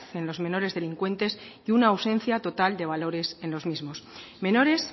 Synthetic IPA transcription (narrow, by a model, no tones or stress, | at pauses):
θe̞nlo̞zmẽ̞no̞ɾe̞zðe̞liŋkwe̞nt̪e̞siunaːwsẽ̞nθjat̪o̞t̪ald̪e̞β̞alo̞ɾe̞se̞nlo̞zmizmo̞smẽ̞no̞ɾe̞s